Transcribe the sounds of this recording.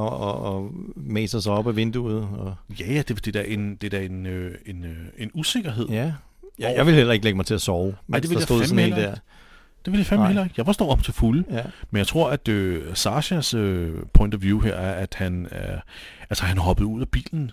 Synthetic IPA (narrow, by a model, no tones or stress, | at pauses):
ɒɒːmḛːsɐsɐɒ̽b̥æʋe̝nd̥uð̩ˠɒ̽jæjæd̥e̝d̥e̝d̥æɐʔe̝nd̥e̝d̥æɐe̝nøe̝nøe̝nuse̝ɡ̥ɐɦe̝ð̞̰ˠ | jjäɪʋe̝lhelɐe̝ɡ̥əleɡəmɑ̈ɪt͡sʰe̝æsɒʊmëɪ̰deʋejaoemelɐdeɐ̰̥ | d̥e̝ʋeljafæmelɐeɡ̥jɑ̈ɪfɒsd̥ɔ̰ːɑ̽m̥t͡sʰe̝fuləmenjɪt͡sʰʁo̝ɐ̰æd̥øsɑ̈ɕæsøpʰɔ̽ɪnd̥ɐʋjuheɐ̰æɐæd̥hænæɐʔælsəhænɦɒ̽b̥əð̞̩ˠuð̞̰ˠæb̥ḭːln̩